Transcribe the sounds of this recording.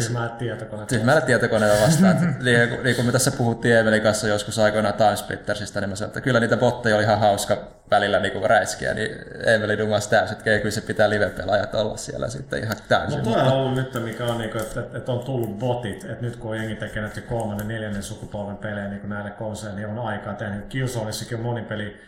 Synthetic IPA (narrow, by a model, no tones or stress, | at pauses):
yhmælːet̪t̪iɛt̪okonet̪yhmælːˑet̪t̪iæt̪okonelːæʋʋɑst̪ɑːniːkuniːkumøt̪æsːæpuhut̪ːiːeːmelikɑnsːɑjoskusɑikonɑt̪ɑnspḭt̪ːersist̪ænimsɑno̰et̪ːækylːæniːt̪æbot̪ːejolihɑhɑuskɑ | ʋælilːæniːkuræiskḭæ̰nḭeːmelidumɑst̪æyset̪keikylsepit̪æːliʋep̪ːḛlɑjɑt̪olːɑ̰ssiḛlːæ̰sḭt̪ːḛḭhɑt̪æynnot̪oˑeihɑolːunyt̪ːemikæonniːkoet̪et̪et̪ont̪ulːubbot̪it̪et̪nyt̪kuojeŋːit̪ːækenæt̪ːykolmɑnːenneljænːensukupolʋempeleːniːkunæilːekkonsenionɑikɑːt̪ehnykkiusoːnisːɑkiommonipeli